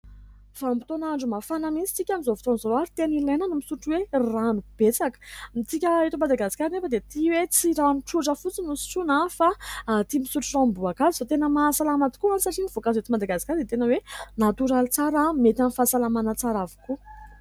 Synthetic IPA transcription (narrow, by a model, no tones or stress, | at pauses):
fambit̪onaɳɖ͡ʐumafanəmit͡si̥t͡sikʲamizovu̥t̪onizoɾoaɾit̪enilenənumisuʈ͡ʂuweranub̥et͡sakə̥mit͡s̪ikʲəet̪umad̪aɡasi̥kʲaɾinefəd̪et̪iwet͡siɾaniʈ͡ʂuʈ͡ʂəfut͡sinusi̥ʈ͡ʂunafat̪imisuʈ͡ʂurambuakazizot̪enəmaːsalamat̪u̥kuanisaʈ͡ʂiniv̥okazet̪imad̪aɡasi̥kʲaɾd̪et̪enəwenat̪uɾalit͡saɾamet̪anifasalamanət͡saɾavi̥ku